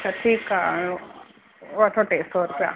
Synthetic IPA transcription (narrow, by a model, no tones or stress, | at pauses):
t͡ʃaʈʰiːka | at̪ʰoʈeːst̪oɾupja̰